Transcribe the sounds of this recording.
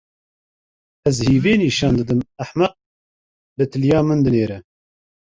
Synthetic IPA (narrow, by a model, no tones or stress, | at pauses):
ɛzhiːveːniːʃɑːnd̪ɨd̪ɨmæħmɐq̚ | lɨt̪ʰɨljɑːmɨnd̪ɨneːɾɛ